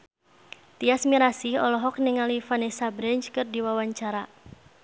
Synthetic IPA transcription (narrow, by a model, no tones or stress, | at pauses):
t̪iasmiɾasihɔlɔɦɔk̚niŋalifanɛsabɾɛɲt͡ʃkɨrdiwawaɲt͡ʃaɾa